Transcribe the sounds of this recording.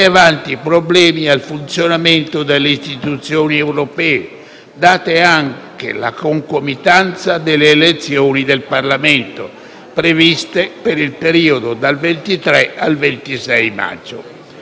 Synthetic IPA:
avant̪ipɾoblɛːmialfunt̪sjonament̪od̪elːeist̪it̪ut̪sjoːniɛwɾopɛːe | d̪aːt̪eaŋkḛla̰koŋkomit̪ant̪sad̪eleːlet̪sːjoːnid̪elparlament̪o̰ | pɾevist̪epeɾilpeɾiːod̪od̪alvent̪it̪ɾɛalvent̪isɛjma̰d͡ʒːo̰

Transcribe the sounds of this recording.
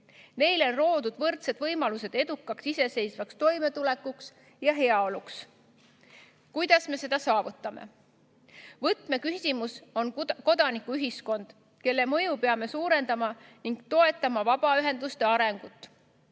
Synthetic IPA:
me̞jlo̞nro̞ːd̪̥ud̪̥vɤrt̪se̞d̪̥vɤjmɑluse̞d̪e̞d̪̥ukːˑɑksise̞se̞jsvɑkst̪o̞jme̞t̪ule̞kːˑuks | jɑɦe̞ɑo̞luks | kujd̪̥ɑsme̞se̞d̪ɑsɑːvut̪ːˑɑme̞̰ | vɤt̪ˑme̞kysʲimuso̞nko̞d̪̥ɑnikːˑuyɦisko̞nd̪̥ | ke̞lːe̞mɤ̞jupe̞ɑme̞suːɾe̞nd̪ɑmɑniŋɡ̥t̪o̞e̞t̪ːˑɑmɑvɑb̥ɑyɦe̞nd̪ust̪e̞ɑɾe̞ŋɡ̥ut̪ːˑ

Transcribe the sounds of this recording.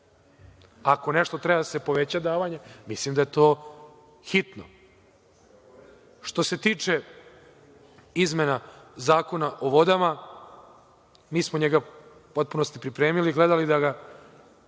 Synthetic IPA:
ako̞ne̞ʃt̪o̞t̪ɾebasepo̞ʋet͡ɕad̪aːʋaɲemislimd̪ajet̪oː | xit̪no̰ | ʃt̪o̞se̞t̪iːt͡ʂe | izmenazaːko̞naʔo̞ʋo̞d̪ama | miːsmoɲeɡa | po̞t̪̚puno̞st̪ipɾipɾeːmiliɡled̪alid̪aɡa

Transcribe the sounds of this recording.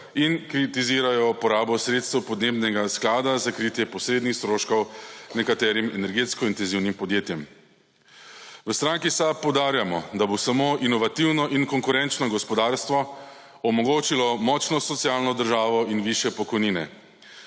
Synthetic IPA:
inkɾit̪iziːɾajɔpɔɾaːbɔsɾet̪st̪ɛwpɔd̪neːbnɛɡasklaːd̪azakɾit̪jɛpɔsɾeːd̪nixst̪ɾoːʃkɔwnɛkat̪ɛːɾimɛnɛɾɡeːt̪skɔint̪ɛnziwnimpɔd̪jeːt̪jɛm | ʋəst̪ɾaŋkisapːɔwd̪aːɾjamɔd̪abosamoːʔinɔʋat̪iwnɔʔinkɔŋkuɾɛnt͡ʃnɔɡɔspɔd̪aɾst̪ʋɔ | ɔmɔɡoːt͡ʃilɔmɔt͡ʃnɔsɔt̪sijalnɔd̪əɾʒaːʋɔinʋiʃjɛpɔkɔjniːnɛ̰

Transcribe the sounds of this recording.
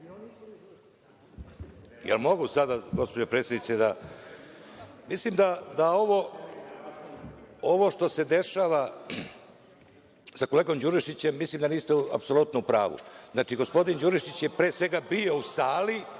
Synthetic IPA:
jelmo̞ɡusad̪aɡo̞spo̞d͡ʑo̞pɾet̪sjed̪it̪sed̪a | mislimd̪ad̪ao̞ʋo̞ | o̞ʋo̞ʃt̪o̞se̞d̪e̞ʃaːʋa | sakoleɡo̞md͡ʑuɾiʃit͡ɕe̞mːislimd̪aniːst̪eua̰pso̞lut̪noupɾaːʋṵznaːt͡ʃiɡo̞spo̞d̪ind͡ʑuːɾiʃit͡ɕjepɾeːsʋe̞ɡabio̞usaːli

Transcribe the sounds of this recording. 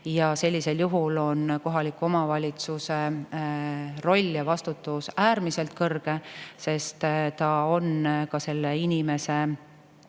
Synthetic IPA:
jɑse̞lʲːise̞ljuɦulo̞nko̞ɦɑlikːuo̞mɑvɑlʲit̪suse̞ | ro̞lʲːjɑvɑst̪ut̪ːˑusæːɾmise̞lt̪̚kɤrɡ̥e̞se̞st̪t̪ɑo̞nkɑse̞lːeinʲime̞se̞

